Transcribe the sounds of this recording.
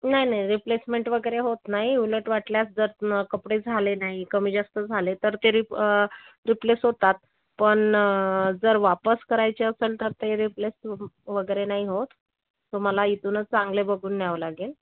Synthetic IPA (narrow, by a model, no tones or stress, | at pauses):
naɦinaɦiɾiplesmeɳʈʋəɡəjɾeɦot̪naɦiuləʈʋaʈljat͡sd͡zəɾkəpɽed͡zʱalenaɦikəmiːd͡zast̪əd͡zʱalet̪əɾt̪eɾi | ɾiplesɦot̪at̪̚ | pəɳ | d͡zəɾʋapəskəɾajt͡ɕeəsəlt̪əɾt̪eɾiplesʋəɡəjɾenaɦiɦot̪ː | oməlait̪unət͡st͡sãŋɡlebəɡʱuːnːjaʋəlaɡel